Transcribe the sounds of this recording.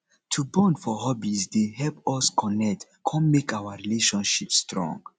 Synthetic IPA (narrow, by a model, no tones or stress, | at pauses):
tʰubɔ̃ndfɔɦɔbisdehɛlpɔskʰɔ̃nɛk̚t | kʰɔ̃nmekawaɹileʃɔ̃nʃipstɹɔ̰̃ŋɡ